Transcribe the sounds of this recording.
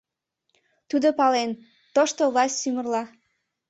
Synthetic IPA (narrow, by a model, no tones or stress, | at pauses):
t̪ud̪opɑlen | t̪oʃt̪ovlɑsʲtʲsymə̆rlɑ